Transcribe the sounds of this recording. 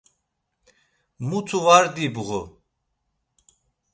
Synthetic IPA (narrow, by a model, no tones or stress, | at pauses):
mut̪ʰuvaɾd̪ibuɣu